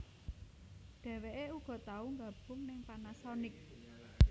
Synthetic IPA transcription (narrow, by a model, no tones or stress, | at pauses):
ɖ̪̥ɛ̤weʔeuɡ̥ɔ̤t̪auŋɡab̥ʊ̤ŋnɪŋpanasɔnɪk̚